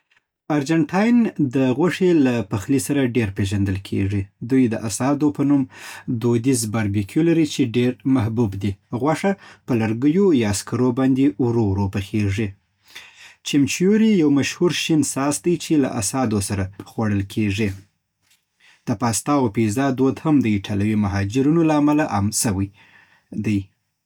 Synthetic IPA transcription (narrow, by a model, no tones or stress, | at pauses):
aɾd͡ʒaɳʈʰɑjnd̪əɣwaʂelapaxlisaɾaɖeɾpeʒand̪əlkʰḛʐid̪ujd̪əʔasɑd̪opənumd̪od̪izbaɾbikʰjolaɾit͡ʃeɖeɾmahbubd̪iɣwaʂapəlaɾɡəjojɑskaɾobɑnd̪ewɾowɾopəxeʐi | t͡ʃɪmt͡ʃjuɾijawmaʃhuɾʃinsɑsd̪ajt͡ʃela̰ʔasɑd̪osaɾaxwaɽəlkʰeʐi | d̪̥əpɑst̪ɑopizɑd̪od̪hamd̪əiʈʰalawimaɦɑd͡ʒɪɾunolaːmalaʔamsawəj | d̪aj